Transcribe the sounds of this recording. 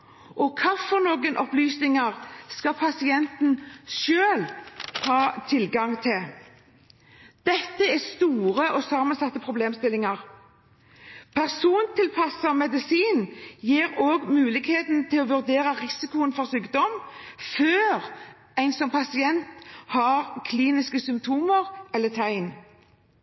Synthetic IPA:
ʔɔkʰɑfɔɾnoːɡənʔɔplyːsnɪŋəʁskɑpʰɑsɪɛnt̪nʃøːlhɑːt̪ʰɪlɡɑŋt̪ʰɪl | d̪̥ɛt̪ːəɛst̪uːʁəʔɔsɑmənsɑt̪ːəpʰʁʊbleːmst̪ɪlɪŋəɾ | pʰæʁsuːnt̪ʰɪlpʰɑsɑmɛd̪ɪsiːnjeːɾoːɡmʉːlɪɡheːt̪nt̪ʰɪlɔʋʉʁd̪eːʁəʁɪsɪkʊənfɔʁsyːkd̪ɔmføːɾ | æɪnsɔmpʰɑsɪɛnt̪hɑɾkʰliːnɪskəsʏmpt̪ʰuːməʁɛlːət̪ʰæɪn

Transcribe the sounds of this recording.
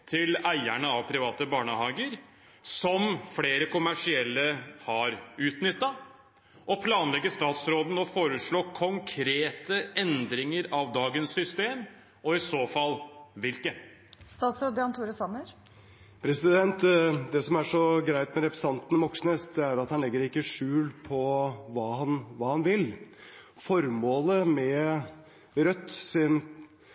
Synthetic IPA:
t̪ʰɪlæɪæɳəɑʋpʰɾɪʋɑːt̪əbɑːɳəhɑːɡəɾ | sɔmfɽeːɾəkʊmæʂɪɛlːəhɑɾʉːt̪nʏt̪ːɑ | ʔɔpʰlɑːnlɛɡːəst̪ɑːt̪sɾoːd̪n̩ɔfoːɾəʂɭoːkʰɔŋkʰɾeːt̪əɛnd̪ɾɪŋəɾɑʋd̪ɑːɡənsːʏst̪eːm | ɔɪsoːfɑlːʋɪlkə | st̪ɑːt̪sɾoːd̪əɑnt̪ʰuːɾəsɑnːəɾ | pʰɾɛsɪd̪ɛnt̪d̪ɛsɔmæʂɔɡɾæɪt̪mɛɾɛpɾəsɑnt̪nmɔksnesd̪ɛæɾɑt̪hɑnlɛɡːəɾɪkːəʂʉːlpʰɔʋɑːhɑnʋɑːhɑnʋɪl | fɔɾmoːləmɛ | ɾœt̪ːsɪn

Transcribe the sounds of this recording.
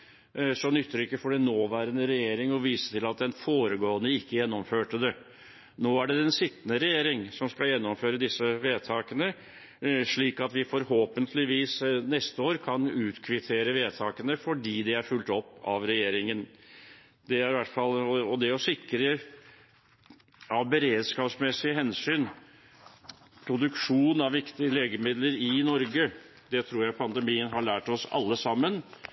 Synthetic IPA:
sɔnʏt̪ːəɾɪkːəfɔɖɛnoːʋæːɾənəɾɛjeːɾɪŋɔʋiːsə̥t̪ʰɪlɑt̪̚d̪ɛnfoːɾəɡoːənəɪkːəjɛnːɔmføːʈəd̪ɛ | noːæɖɛɛnsɪt̪ːənəɾɛjeːɾɪŋsɔmskɑljɛnːɔmføːɾəd̪ɪsːəʋeːt̪ʰɑːkənə | ʂɭiːkɑt̪ʋɪfɔɾhoːpənt̪ʰlɪʋiːsnɛst̪əoːɾkʰɑnʉːt̪kʰʋɪt̪ʰeːɾəʋeːt̪ʰɑːkənəfɔɖiːd̪ɛæɾfʉlt̪ɔpːɑ̰ʋɾɛjeːɾɪŋən | d̪ɛæɾɪʋæʈːfɑlɔɔd̪ɛɔsɪkɾə | ɑʋbəɾeːd̪skɑːpsmɛsːɪəɦɛnsyːn | pʰɾʊd̪ʉkʂuːn̩ɑʋʋɪkt̪ɪəleːɡəmɪd̪ləɾɪnɔɾɡə | d̪ɛt̪ʰɾuːɾjæɪpʰɑnd̪əmiːənɦɑɭæːʈɔsɑ̰lːəsɑmːən

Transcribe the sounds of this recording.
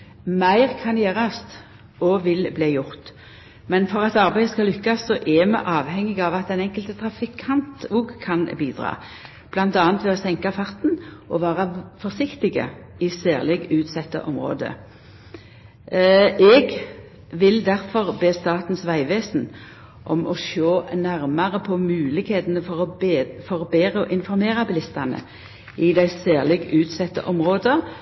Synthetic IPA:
mæɪʁkʰɑnjæːʁɑst̪ | ɔʋɪlbliːjʊʁt̪ | mɛnfɔʁɑt̪ɑʁbæɪəskɑlʏkːɑsːɔʔɛmɛ̰ʔɑːʋhɛŋːɪɡɑʋɑt̪ɛnɛŋkəlt̪ət̪ʰʁɑfɪkʰɑnt̪uːɡkʰɑnbiːd̪ʁɑ̰ː | b̥lɑnt̪ɑːnt̪ʋɛɔsɛŋkɑfɑʁt̪nʔɔʋɑːʁɑfɔʁsɪkt̪ɪɡə̰ɪseːʁlɪɡʉːt̪sɛt̪ːə̰ʔɔmʁo̰ːd̪ə̰ | ɛɡ | ʋɪld̪æʁfɔʁbeːst̪ɑːt̪n̩sʋæɪʋeːsn̩ | ʔɔmʔɔʃoːnæʁmɑʁəpʰɔmʉːlɪkheːt̪nəfɔʁfɔʁɔbeːɾəɔʔɪnfɔɾmeːʁɑbɪlɪst̪ɑnə̰ | ɪd̪æɪsæːʁlɪɡʉːt̪sɛt̪ːə̰ʔɔmʁoːd̪ə

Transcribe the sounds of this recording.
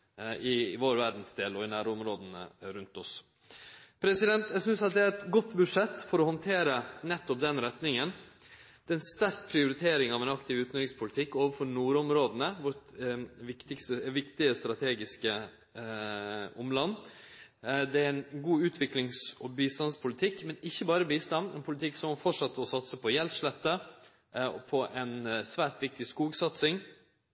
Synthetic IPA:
ɪʋoːɾʋæɾd̪n̩sd̪eːlɔɪnæːɾʊmɾoːd̪ənə̰ɾʉnt̪ɔs | pʰɾɛsɪd̪ɛnt̪jæɡsʏnsɑt̪̚d̪ɛæɾɛt̪ɡɔt̪ːbʉʂɛt̪ːfɔɾɔhɔnt̪ʰeːɾənɛt̪ːɔp̚d̪ɛnɾɛt̪nɪŋən | d̪̥ɛɛnst̪æɾk̚pʰɾɪʊɾɪt̪ʰeːɾɪŋɑʋɛnɑkt̪ɪʋʉːt̪nɾɪŋspʰʊlɪt̪ʰɪkːoːʋəfɔɾnuːɾɔmɾoːd̪nəʋɔɾt̪ʋɪkt̪ɪkst̪əʋɪkt̪ɪəst̪ɾɑt̪ʰeːɡɪskə | ʊmlɑnː | d̪ɛæɾɛnɡuːʉːt̪ʰʋɪklɪŋsɔbiːst̪ɑnspʰʊlɪt̪ʰɪkːmɛnɪçːəbɑːɾəbiːst̪ɑnd̪ɛ̰npʰʊlɪt̪ʰɪksɔmɑfɔʈʂɑt̪ːəɔsɑt̪səpʰɔjɛlʂlɛt̪ːə | ɔpʰɔʔɛnsʋæːɾʈ̪ʋɪk̚t̪ɪskuːɡsɑt̪sɪŋ

